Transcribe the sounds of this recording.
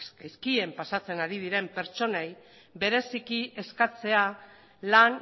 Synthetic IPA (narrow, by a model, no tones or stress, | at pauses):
jskie̞mpasat͡se̞naɾið̞iɾe̞mpe̞ɾt͡so̞nej | be̞ɾe̞sikiʔe̞skat͡se̞a | lan